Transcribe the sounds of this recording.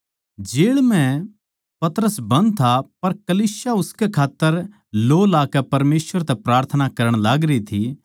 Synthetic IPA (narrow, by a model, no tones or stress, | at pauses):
d͡ʒeːɭmɛ̃ | pɐt̪ɾəsbɐ̃nd̪̚t̪ʰapɐɾkɐliːsjaʊskɛkʰaːt̪ːəɾ | loːlaːkɛpɐɾmeːsʋəɾt̪ɛpɾaːɾt̪ʰənakɐɾəɽ̃laːɡɾəit̪ʰi